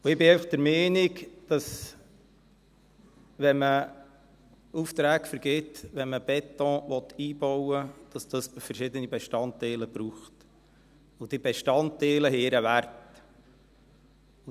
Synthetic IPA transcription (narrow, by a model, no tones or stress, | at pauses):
uɪbɪeɪfɑχd̥̪əɾmɛːnɪkd̥ɑs | ʋɛmə | uft̪ɾæːkfəɾɡ̥ɪtʋɛnməb̥ɛt̪ɔ̃ːʋɔt̪ːiːb̥ɔwəd̥ɑsd̥̪ɑsfəɾʃɪd̪ənibɛʃtɑnt̪ɛɪləb̥ɾuːχt | ʊd̥ibɛʃtɑnt̪ɛːləɦɛɪɾəʋæɾt